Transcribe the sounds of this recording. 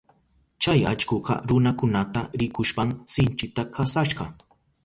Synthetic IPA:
t͡ʃaja̰t͡ʃkoqɑ̰ɾʊnakʊnat̪aɾɪkʊʃpaŋsɪnt͡ʃɪt̪akasaʃɢɑ

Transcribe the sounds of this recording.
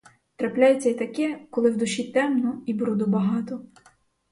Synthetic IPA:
t̪ɾɐplʲajet͡sʲːɐit̪ɐkɛkɔlˠɪwd̪ʊʃit̪ɛmnɔibɾud̪ʊbɐɦɑt̪ɔ

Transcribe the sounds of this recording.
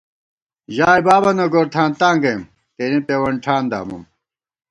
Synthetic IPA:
ʑaːjbaːbɐnɐɡoːɾt̪ʰãːnt̪aːŋɡɐjm | t̪eːnipeːwɐɳʈʰaːnd̪a̰ːmṵm

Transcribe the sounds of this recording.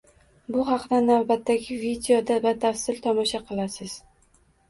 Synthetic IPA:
bʊɦɑqd̪anavbat̪ʰːaɡʲɪvid̪ejod̪avad̪afsɪlt̪ʰɒmɒʃaqʰɨlˠasɪz̥

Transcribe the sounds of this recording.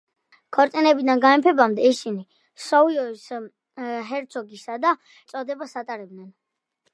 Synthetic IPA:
kʰɔɾt̪sʼinɛbid̪anɡaɛmpʰɛbamd̪ɛisini | sɔiɔis | ɦɛɾt̪sʰɔɡisad̪a | t̪sʼɔd̪ɛbasat̪ʼaɾɛbd̪nɛn

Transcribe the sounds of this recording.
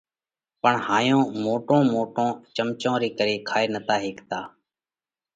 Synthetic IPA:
pəɳhaːjõːmoːʈõːmoːʈõːt͡ʃəmt͡ʃõːɾiːkəɾiːkʰaːeːnət̪aːɦeːkt̪aː

